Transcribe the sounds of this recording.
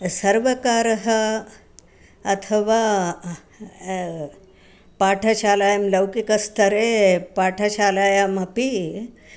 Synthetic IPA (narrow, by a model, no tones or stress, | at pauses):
səɾʋəkaːɾəɦə | ɐt̪ʰəʋa | paːʈʰɐɕaːlajamləwkikəst̪əɾepaːʈʰəɕaːlaːjamɐpi